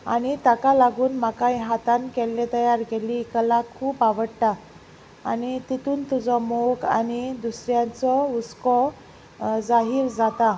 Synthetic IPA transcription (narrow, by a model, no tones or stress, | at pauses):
a̰ɽ̃it̪akalaɡuːnmakajɦat̪ankɛlːet̪əjaɾkɛliːkəlakʰuːpaʋəɽʈaː | nit̪it̪uːnt̪ud͡zɔmoɡa̰nid̪usɾjãt͡sɔut͡skɔ | d͡zaɦiːɾd͡zat̪a